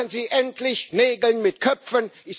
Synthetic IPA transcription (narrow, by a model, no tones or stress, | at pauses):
ənziːʔɛntʰlɪçneːɡl̩nmɪtkʰœfənʔɪ